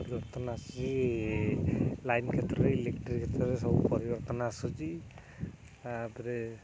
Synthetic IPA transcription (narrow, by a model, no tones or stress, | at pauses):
ɔɾibɔɾt̪ɔnasɔd͡ʒi | lajnkʰɛt̪ɾɔɾɛilek̚ʈɾikʰɛt̪ɾɔɾɛsɔbɔpɔɾibɔɾt̪ɔnaːsud͡ʒi | bɾɛ